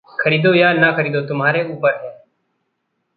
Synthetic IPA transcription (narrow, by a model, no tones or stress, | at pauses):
kʰəɾiːd̪oːjaːnaːkʰəɾiːd̪oːt̪ʊmɦaːɾeːuːpəɾɦẽː